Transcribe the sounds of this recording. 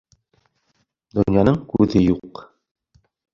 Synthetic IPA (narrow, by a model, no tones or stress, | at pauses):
d̪ŏnjɑnɤɴkʉðɘjuq